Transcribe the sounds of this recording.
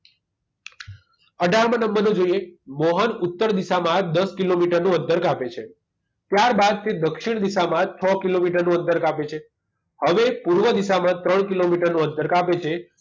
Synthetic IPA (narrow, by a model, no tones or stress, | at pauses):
əɖʱaɾmə̃nəmbəɾnõd͡ʒoijemɔɦənut̪ːəɾd̪isamãd̪əskilomiʈəɾnũə̃nt̪əɾkapet͡ʃʰe | t̪jaɾbad̪̚t̪ʰid̪əkʃiɳ̃d̪isamãt͡ʃʰɔkilomiʈəɾnũə̃nt̪əɾkapet͡ʃʰe | həʋepuɾʋəd̪isamãt̪ɾəɳkilomiʈəɾnũə̃nt̪əɾkapet͡ʃʰe